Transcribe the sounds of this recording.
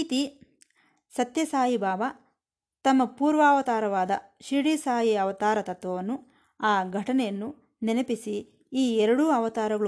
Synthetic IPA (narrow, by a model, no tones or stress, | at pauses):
iːt̪i | sɐt̪jɐsaːjibaːʋɐ | t̪ɐmːɐpuːɾʋaːʋɐt̪aːɾɐʋaːd̪ɐ | ʃiːɽisaːjiɐʋɐt̪aːɾɐt̪ɐt̪ʋɐʋɐnːu | aːɡʱɐʈɐnɛjɐnːu | ninɐpisiː | ɛɾɐɽuɐʋɐt̪aːɾɐɡɐɭ